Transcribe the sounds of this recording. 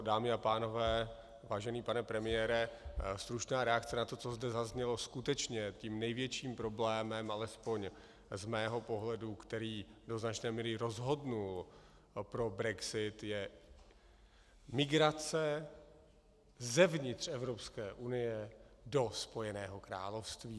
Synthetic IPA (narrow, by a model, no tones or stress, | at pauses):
daːmɪapaːno̞vɛː | vaːʒɛniːpanɛpɾɛmɪjɛːɾɛst̪ɾut͡ʃnaːɾɛak̚t͡sɛnat̪o̞t͡sozdɛzazɲɛlo̞skut̪ɛt͡ʃɲɛt̪iːmnɛjvjɛt͡ʃiːmpɾo̞blɛːmɛmʔalɛspo̞ɲ | zmɛːɦo̞po̞ɦlɛdukt̪ɛɾiːdo̞znat͡ʃnɛːmiːɾɪɾo̞zɦo̞dnul | pɾo̞bɾɛɡsɪt̪jɛ | mɪɡɾat͡sɛ | zɛvɲɪt̪r̝̥ɛvɾo̞pskɛːʔunɪjɛdo̞spo̞jɛnɛːɦo̞kɾa̰ːlofst̪viː